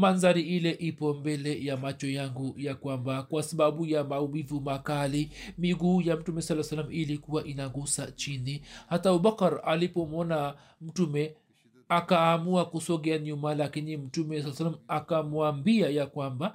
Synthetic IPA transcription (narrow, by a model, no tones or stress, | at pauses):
manzaɾiilɛʔipɔmbɛlɛjamat͡ʃɔjaŋɡujakwambakwasaɓaɓujamaumivumakalimiɡuːjam̩tumɛsalːasalamilikuwaʔinaɡusat͡ʃinihatauɓakaɾalipɔmɔna | m̩tumɛ | akaːmuakusɔɠɛaɲumalakinim̩tumɛsalːsalamakamuambiajakwamba